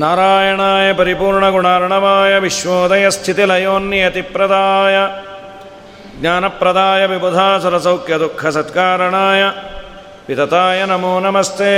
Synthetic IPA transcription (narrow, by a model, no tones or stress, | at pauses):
naːɾaːjɐɳaːjɐpɐɾipuːɾɳɐɡuɳaːɾɐɳɐʋaːjɐʋiʃʋoːd̪ɐjɐst̪ʰit̪ilɐjoːnːjɐt̪ipɾɐd̪aːjɐ | ɡɲaːnɐpɾɐd̪aːjɐʋibud̪ʱaːsɐɾɐsɐwkjɐd̪ukʰɐsɐt̪kaːɾɐɳaːjɐ | pit̪ɐt̪aːjɐnɐmoːnɐmɐst̪ʰeː